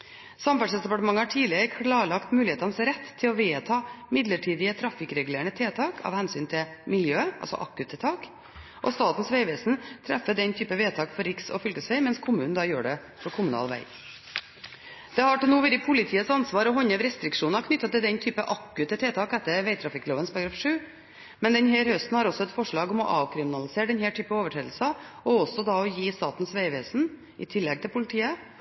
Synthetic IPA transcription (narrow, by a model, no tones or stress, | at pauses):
sɑmfɑʂsɛsd̪ɛpɑʈəmɑŋːəhɑʈʰiːlɪəɾəkʰɭɑːɭɑkt̪mʉːlɪeːt̪ɑnəsɾɛt̪ʰːɪlɔʋeːt̪ʰɑːmɪd̪ləʈʰiːd̪ɪət̪ʰɾɑfɪkɾɛɡʉleːɳət̪ʰeːt̪ʰɑːkʰɑ̰ʋhɛnsyːnt̪ʰɪmɪljøːɑ̰lsɔ̰ʔɑ̰kːʉt̪ʰɛt̪ʰɑːk | ʔɔ̰st̪ɑːt̪n̩sʋæɪʋeːsn̩t̪ʰɾæfːəd̪ɛnt̪ʰyːpəʋeːt̪ʰɑːkfɔɾɾɪksɔ̰fʏlkəsʋæɪmɛnskʰʊmʉːnn̩d̪ɑjøːɖɛ | pʰɔkʰʊmʉnɑ̰ːlʋæ̰ɪ | d̪̥ɛhɑʈɪlnuːʋɛɾɪpʰʊlɪt̪ʰiːəsɑnsʋɑːɾɔɦɔɲːɛʋɾɛst̪ɾɪkʂuːnɑkʰnʏt̪ːɑt̪ɪld̪ɛnt̪ʰyːpəʔɑkːʉt̪ət̪ʰeːt̪ʰɑːkɛt̪ːəɾʋæɪt̪ʰɾɑfɪkːloːʋənspʰɑɾɡɾɑfʂʉː | mɛnd̪ɛnhæːɾhœst̪n̩hɑɾɔsːɔɛt̪fɔʂɭɑːɡɔmɔ̰ʔɑːʋkʰɾɪmɪnɑlɪseːɾɖɛnhæːʈʰyːpəoːʋəʈʰɾeːd̪lsɑ | ɔɔsɔd̪ɑɔjiːst̪ɑːt̪n̩sʋæɪʋeːsn̩ | ʔɪ̰t̪ʰɪlːɛɡ̚t̪ʰɪlpʰʊlɪt̪ʰiːə